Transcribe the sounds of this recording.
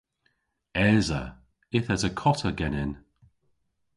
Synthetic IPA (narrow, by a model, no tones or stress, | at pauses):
ɛːzə̰ | ɪθəzəkʰɔtʰəɡɛnɪn